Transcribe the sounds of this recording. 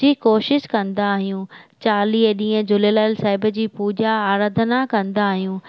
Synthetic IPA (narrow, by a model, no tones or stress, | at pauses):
iːkoːʃɪʃkɐ̃nd̪aːɦijũt͡ɕaːliːɦɗĩːə̃d͡ʑʊlelaːɪlsaːɪbə̆d͡ʑiːpuːd͡ʑaaːɾaːd̪ʱənakɐ̃nd̪aːɦijũː